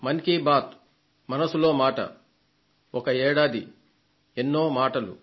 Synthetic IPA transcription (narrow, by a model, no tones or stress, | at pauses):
mɐnkibaːt̪ | mɐnɐsulo̞ːmaːʈɐ̰ | ɔkɐɛːɽaːd̪i | enːo̞ːmaːʈɐlṵ